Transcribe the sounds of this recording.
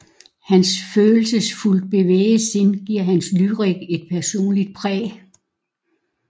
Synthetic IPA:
hænsføːl̩səsful̰d̥̚b̥e̝ʋḛːɪəse̝nɡ̥iɐ̰ɦænslyʁiɡ̥e̝d̥̚pʰæɐso̝̰ːnlid̥̚pʰʁɛ̰ː

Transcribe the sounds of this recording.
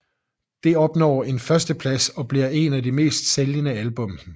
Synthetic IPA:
d̥e̝ɒ̽b̥nɒ̰ːe̝nfɶɐsd̥əpʰlæsɒ̽b̥liɐ̰e̝nædime̝̰ːsd̥seljənəælb̥ɔ̽m̰

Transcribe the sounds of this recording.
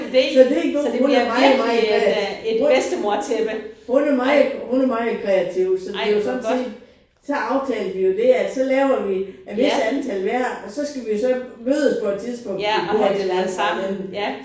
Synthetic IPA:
sɒ̽d̥eɡ̥ohonæmɑ̈ɪmɑɪkʁɛisd̥əmot͡sʰeb̥honæmɑ̈ɪhunɐmɑ̈ɪkʰʁɛæt͡sʰiʊ̰sɒ̽d̥e̝josɒ̽n̥n̩se̝̰ːd̥ | sɒ̽ʔɑ̈ʊt͡sʰɛ̰ːlʋijo̝d̥e̝æd̥sɒ̽lɛːʊɐʋiæʋe̝səænt͡sʰælʋæɐ̰ɒ̽sɒ̽sɡ̥æʋijo̝sɒ̽møːð̞ˠɒspʰɒ̽ed̥̚t͡sʰið̞ˠsb̥ɔ̽ŋ̰̥eɡo̝ɐ̰t͡sʰlæsamen

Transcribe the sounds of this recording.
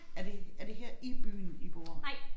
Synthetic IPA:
æɐd̥e̝æɐd̥e̝ɦɛɐ̰iɡ̥b̥y̰ːniɡ̥ɒ̰ːɑɪ

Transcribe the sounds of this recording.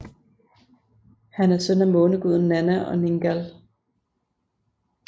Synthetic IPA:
hænæɐsœn̰æmɔ̽ːnəɡ̥uð̞̰ˠn̩ːænæʔɒ̽neŋɡ̥æl

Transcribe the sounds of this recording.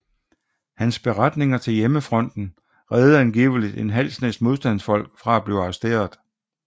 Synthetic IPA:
hænsb̥e̝ʁad̥ne̝ŋɐt͡sʰe̝ljeməfʁɒ̽n̰d̥n̩ | ʁɛːð̞̩ˠænɡ̥ḭːʊəlid̥e̝nɦæl̰snesd̥mo̝ð̞ˠsd̥æn̰sfɒ̽l̰ɡ̥fʁɑ̈æb̥leʊɑ̈ʁɐsd̥e̝̰ːɐðˠ

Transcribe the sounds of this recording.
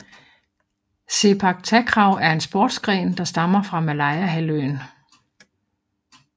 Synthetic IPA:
se̝pʰɑ̈ɡ̥̚t͡sʰækʰʁɑ̈ʊ̰æɐe̝nsb̥ɔːd̥sɡ̥ʁɛ̰ːnd̥ɑ̈sd̥ɑ̈mɐfʁɑ̈mælɑ̈ɪæɦæløn

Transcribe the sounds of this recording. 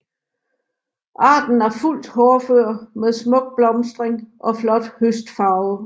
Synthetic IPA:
ʔɑ̈ːd̥n̩æɐful̰d̥hɒːføɐ̰meðˠsmɔ̽ɡ̥̚b̥lɒ̽msd̥ʁeŋʔɒ̽flɒ̽d̥høsd̥fɑ̈ʊ

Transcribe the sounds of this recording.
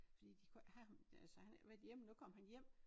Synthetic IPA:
fɒd̥ḭːd̥ikʰhæælsɒhænʋæd̥jem̰nukʰɒ̽m̰ɦænjem̰

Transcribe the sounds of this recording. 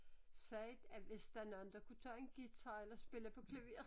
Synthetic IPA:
sɛːd̥æʋe̝sd̥ɑ̈nɑnd̥ɐkʰut͡sʰɑ̰ːe̝nɡ̥it͡sʰɑelɐsb̥e̝ləpʰɒ̽kʰleʋe̝̰ːɐ

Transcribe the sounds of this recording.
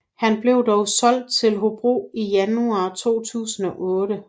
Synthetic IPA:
hænb̥le̝ʊd̥ɒʊsɒ̽l̰d̥̚t͡sʰe̝lɦo̝b̥ʁo̰ːijænuɑ̈ːt͡sʰo̝̰ːt͡sʰṵːsn̩ɒ̽ʔɔ̽ːɾ̥ə

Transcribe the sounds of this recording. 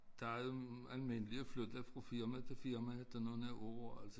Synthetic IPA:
d̥ɑæoælme̝nəliəflød̥ɐfʁɑfiɐmæt͡sʰe̝fiɐmæd̥ɑnoːn̩æɐʔoɐæls

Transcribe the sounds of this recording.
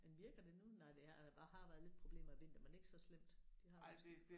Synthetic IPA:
menʋiɐɡ̥ɐd̥e̝nunɑɪd̥e̝æd̥æb̥ɑ̈ːɦɑ̈ʋæːɐð̞ˠle̝d̥̚pʰʁo̝b̥le̝̰ːmɐæʋe̝n̰d̥əmæne̝ɡ̥sɒ̽slem̰d̥d̥ihɑ̥̈

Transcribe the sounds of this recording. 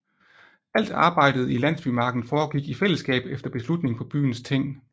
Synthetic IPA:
æl̰d̥ɑ̈ːb̥ɑ̈ɪ̰d̥ð̞̩ˠilæn̰sb̥y̰ːmɑ̈ːɡ̥n̩fɒːɡ̥iɡ̥ifel̰əsɡ̥ɛ̰ːb̥efd̥ɐb̥e̝slud̥ne̝ŋpʰɒ̽b̥y̰ːn̩st͡sʰe̝ŋ̰

